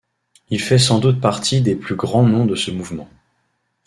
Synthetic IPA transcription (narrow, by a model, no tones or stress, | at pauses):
ilfɛsɑ̃d̪ut̪̚paʁt̪ʰid̪eplyɡʁɑ̃nɔ̃d̪əsəmuvmɑ̃